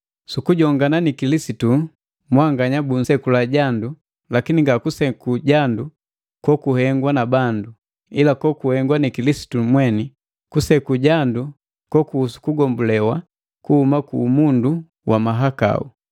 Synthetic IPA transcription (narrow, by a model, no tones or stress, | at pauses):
sukuɟɔŋɡananikilisitu | mwaŋɡaɲabun̩sɛkulaɟandu | lakiniŋɡakusɛkuɟandu | kwɔkuhɛŋɡwanabandu | ilakɔkuhɛŋɡwanikilisi̥tumwɛni | kusɛkuɟandu | kɔkuusu̥kuɡɔmbulɛwa | kuhumakumundu | wʔamaɦaka̰ṵ